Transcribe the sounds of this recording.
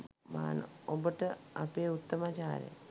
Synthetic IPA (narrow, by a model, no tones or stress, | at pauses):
ma̰ːn̰obɐʈːɨɐpeut̪ːɐmaːt͡ɕaːɾḛ